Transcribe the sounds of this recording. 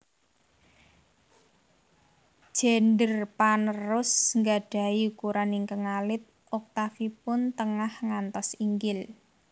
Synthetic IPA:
ʒ̥ɛ̤nɖərpanərʊsŋɡaɖ̥a̤iukuɾanɪŋkəŋalɪt̪̚ʔɔk̚t̪afipʊnt̪əŋahŋant̪ɔsiŋɡɪl

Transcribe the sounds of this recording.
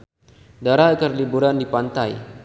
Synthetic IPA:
daɾakərlibuɾandipant̪aj

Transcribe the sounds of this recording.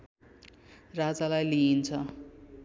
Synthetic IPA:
rad͡zalajliint͡sʰʌ

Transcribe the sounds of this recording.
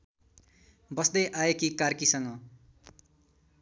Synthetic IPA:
bʌsd̪ʌjʔaekikarkisʌŋʌ

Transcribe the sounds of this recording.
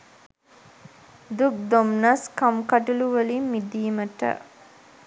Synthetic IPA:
d̪uk̚d̪omnɐskɐmkɐʈuluʋɐlimːid̪iːməʈə̰

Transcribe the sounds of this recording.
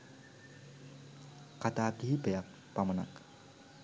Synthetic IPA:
kat̪at̪ibajak̚ | paməna̰k

